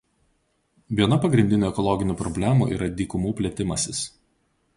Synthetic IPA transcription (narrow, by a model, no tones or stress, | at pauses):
ʋʲiɛnɐpɐɡɾʲɪnʲd̪ʲɪnʲoːɛkɔlˠɔɡʲɪnʲuːpɾɔbʲlʲæmṵːʔḭːɾɐd̪ʲiːkʊmuːpʲlʲɛt̪ʲɪmɐsʲɪs